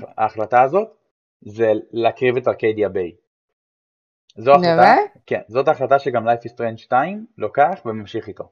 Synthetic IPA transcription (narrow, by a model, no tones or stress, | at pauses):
a̰ːχlataːzo̞t | zelaːkʁivetaʁked̪iabej | zoaχlataakḛnzo̞taːχlataʃeɡamlajfist̪ʁenʃtaimlo̞keaχvemamʃiχit̪o̞